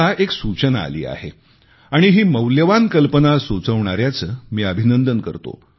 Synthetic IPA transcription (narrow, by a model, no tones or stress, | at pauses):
aeksut͡ɕənaa̰lḭːa̰ɦe | aɽ̃iɦiːməwljəʋankəlpənasot͡səʋɳ̃aɾjat͡səːmiːəbʱinənd̪ənkə̰ɾt̪o̰